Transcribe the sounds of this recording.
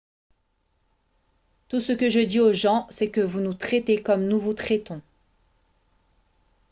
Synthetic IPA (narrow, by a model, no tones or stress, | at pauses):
t̪usəkəʒəd̪ioʒɑ̃sɛkəvunut̪χɛt̪ekɔmnuvut̪χɛt̪ɔ̃